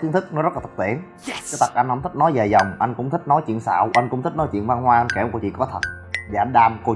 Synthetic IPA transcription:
t̪i˨˦ənt̪ʰk̚nɔ˨˦zə˦˥la˨˩t̪ə˨˩t̪ḭ˧˩ən | ɛ˨˦t̪ə˨˩t̚ʔa˧jŋ̟hɔ˧˦ŋ͡mt̪ʰi̟˦˥nɔ˨˦jze˨˩jzə˨˩wŋ͡mʔa˧jŋ̟kʊ̰˧˥ŋ͡mt̪ʰi˦˥k̚nɔ˨˦jt͡ɕwḭ˧˨ənsa̰ː˧˨wʔa˧ŋ̟kʊ̰˧˥ŋ͡mt̪i˦˥k̚nɔ˨˦jt͡ɕwḭ˧˨ənva˧nɦwaː˧ʔnka˧˩˨ŋ͡mko˧wt͡ɕḭ˧˨kɔ˨˦t̪ʰə˨˩t̚ | vaː˨˩ʔa˧ŋ̟ɗaː˧mko˧

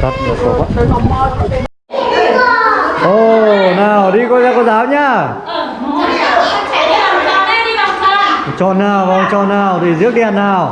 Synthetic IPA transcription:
t̪ʰə˨˩t̚mo˨˩t̚so̰˨˦fə˧˦˥t̚ːɔ˧˩˨ | ʔo˨˩naː˨˩wɗi˧kɔ˧˦zaː˧kɔ˧˦zaː˨˦˥wɲaː˧˩˧ | t͡ɕɔ˧˩naː˨˩wvaː˨˧˩t͡ɕɔ˧˩naː˨˩wt̪ʰi˨˩zɨ˦˥ək̚ɗɛ˧˩nːaː˨˩w

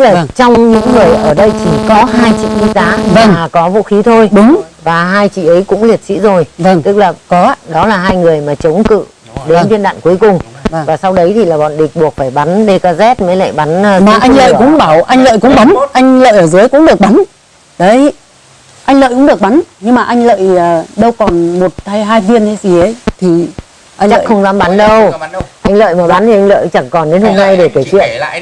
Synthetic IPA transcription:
t̪ɨ˦˥k̚laː˨˩˧t͡ɕɔ˧wŋ͡mɲɨ̰˧˥ŋːɨ˨˩əjʔəː˧˩ɗə˧jt͡ɕi˧˩kɔ˨˦ɦaː˧jt͡ɕḭ˧˨ɗi˧zaː˨˦maː˧˨˩kɔ˨˦vṵ˧˥xi˨˦t̪ʰo˧jɗʊ˨˦ŋ͡mvaː˨˩ɦaː˧jt͡ɕḭ˧˨ʔə˨˦jkʊ̰˧˥ŋ͡mli˨˩ət̚sḭ˧˥zo˨˩jvə˧˩ŋt̪ɨ˦˥k̚laː˨˩kɔ˨˦ɗɔ˨˦laː˨˩ɦaː˧jŋɨ˨˩əjmaː˨˩t͡ɕə˨˦wŋ͡mkɨ̰˧˨ | ɗe˨˦˧nvi˧nɗa̰ː˧˨nku˨˦əjkʊ˨˩ŋ͡mvvaː˨˩sa˧wɗə˨˦jt̪ʰi˨˩laː˨˩ɓɔ̰˧˨nɗï˨˩k̚ɓu˨˩ək̚faː˧˩jɓa˨˦nɗe˧kaː˧zɛ˦˥t̚məː˨˦jla̰ː˧˨jɓa˨˦nː˧maː˨˩ʔa˧ŋlə̰ː˧˨jkʊ̰˧˥ŋ͡mɓaː˧˩wʔa˧jŋlə̰ː˧˨jkʊ̰˧˥ŋ͡mɓa˨˦nʔa˧jŋ̟lə̰ː˧˨jʔəː˧˩zɨ˨˦əjkʊ̰˧˥ŋ͡mɗɨ˨˩ək̚ɓa˨˦n | ɗə˨˦j | ʔa˧jŋ̟lə̰ː˧˨jkʊ̰˧˥ŋ͡mɗək̚ɓa˨˦nɲɨ˧ŋmaː˨˩ʔa˧ŋ̟lə̰ː˧˨jə˨˩ɗə˧wkɔ˨˩nmo˨˩t̚t̪ʰaː˧jɦaː˧jvi˧ənə˧jzi˨˩ʔə˨˦jt̪ʰi˨˩ | ʔa˧t͡ɕa̰ː˦˧˨xə˧wŋ͡mzaː˨˦mɓa˨˦nɗə˧wʔa˧jŋ̟lə̰ː˧˨jmaː˨˩ɓa˨˦nt̪ʰi˨˩ʔa˧ŋlə̰ː˧˨jt͡ɕa˧˩nkɔ˨˩nɗe˨˦nho˧mna˧jɗe˧˩kːaː˧˩t͡ɕwḭ˧˨ən

